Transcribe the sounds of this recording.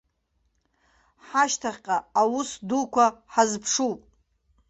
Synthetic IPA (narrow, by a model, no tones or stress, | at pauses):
ħaʃtʰaχʲqʼaawʊsdukʷaħazpʰʂupʼ